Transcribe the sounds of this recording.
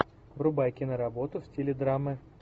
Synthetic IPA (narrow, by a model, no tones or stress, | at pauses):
vɾʊbajkʲɪnəɾɐbo̞t̪ʊfsʲtʲilʲɪd̪ɾamɨ